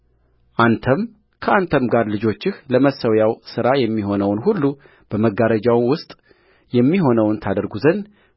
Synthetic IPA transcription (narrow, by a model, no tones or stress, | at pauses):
ʔant̪ʰəm | kʰəʔant̪ʰəmɡaɾlɨd͡ʒo̞t͡ʃːɪhləməsəwjawsɨɾajɛmːiɦo̞nəwnhulːu | b̥əməɡaɾəd͡ʒawnwʊst̪ʼ | jɛmːiɦo̞nəwnt̪ʰad̪əɾɡuzən